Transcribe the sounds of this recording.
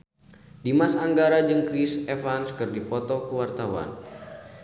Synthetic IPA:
dimasaŋɡaɾad͡ʒɨŋkɾisɛfanskɨrdipɔt̪ɔkəwart̪awa̰n

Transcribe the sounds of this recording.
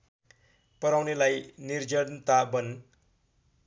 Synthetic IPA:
pʌɾawnelajnird͡zʌɽnt̪abʌn

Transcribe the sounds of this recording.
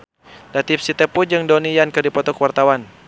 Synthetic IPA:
dat̪ip̚sit̪ɛpud͡ʒɨŋdɔnijankɨrdipɔt̪ɔkwart̪awan

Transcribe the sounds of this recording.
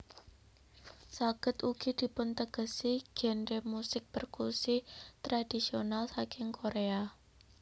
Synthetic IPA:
saɡ̥ə̤t̪uɡ̥id̪̥i̤pʊnt̪əɡ̥ə̤siɡ̥ɛ̤nɾemusɪk̚pərkursit̪ɾad̥i̤sionalsakɪŋkʰoɾea

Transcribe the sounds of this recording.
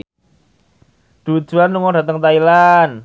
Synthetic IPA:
d̥ṳd̥ʒ̥uanːuŋɔɖat̪əŋt̪ailan

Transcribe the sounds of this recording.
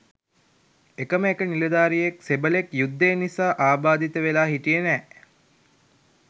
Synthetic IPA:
ekəməekəniləd̪aːɾijeksebəlekjud̪ːenisaːʔaːbaːd̪it̪əʋelaːɦiʈijənɛː

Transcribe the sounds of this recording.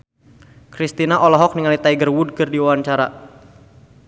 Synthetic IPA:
kɾist̪inaʔɔlɔɦɔk̚niŋalit̪aiɡərwud̚kɨrdiwawaɲt͡ʃaɾa

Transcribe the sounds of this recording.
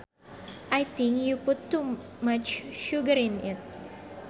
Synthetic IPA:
ʔajt̪ĩŋkjupʊtːumat͡ʃʃuɡəɾɪ̃nɪt̚

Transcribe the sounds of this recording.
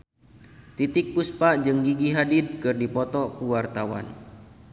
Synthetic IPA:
t̪it̪ɪk̚puspad͡ʒɨŋɡiɡiɦadɪd̚kɨrdipɔt̪ɔkuwart̪awa̰n

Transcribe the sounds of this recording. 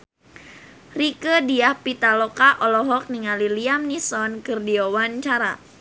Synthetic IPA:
rikədiahpit̪alɔkaʔɔlɔɦɔk̚niŋaliliamnisɔnkərdiowant͡ʃaɾa̰

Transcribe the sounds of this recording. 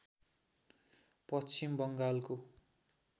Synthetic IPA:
pʌst͡simbʌŋɡalko

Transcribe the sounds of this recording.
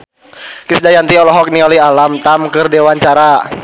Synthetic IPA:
kisdajant̪iɔlɔɦɔk̚niɔlialamt̪amkɨrdewaɲt͡ʃaɾa

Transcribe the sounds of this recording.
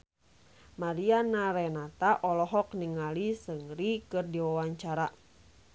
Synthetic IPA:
maɾianaɾɛnat̪aʔɔlɔɦɔkniŋalisəŋɾikɨrdiwawaɲt͡ʃaɾa

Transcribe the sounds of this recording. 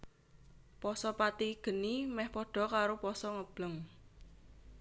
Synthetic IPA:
pɔsɔpat̪iɡ̥ə̤nimɛhpɔɖ̥ɔ̤kaɾopɔsɔŋəb̥ləŋ

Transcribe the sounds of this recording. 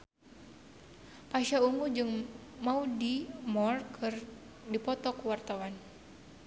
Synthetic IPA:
paʃauŋɡud͡ʒɨŋmaudimɔrkʰɨr | dipɔt̪ɔkuwart̪awan

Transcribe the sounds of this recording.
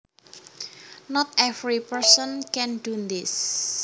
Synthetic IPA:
nɔt̪ʔɛvɾipəɹsənkɛnd̥und̪ɪs

